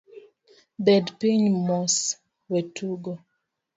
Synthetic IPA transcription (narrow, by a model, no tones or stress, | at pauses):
bɛdpiɲmɔs | wɛtuɡɔ